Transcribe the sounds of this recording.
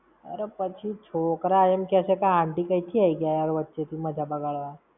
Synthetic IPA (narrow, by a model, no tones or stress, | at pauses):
ə̰ɾepət͡ʃʰit͡ʃʰoːkɾajemkɛːsekaɦãɳɖikəit͡ʃʰiaiɡjaeɔɾʋətːʃet̪ʰimɐd͡ʒʱabəɡaɭʋa